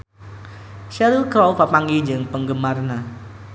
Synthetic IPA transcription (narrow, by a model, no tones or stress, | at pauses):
ʃɛɾilkɾɔwpapaŋid͡ʒəŋpəŋɡəmarna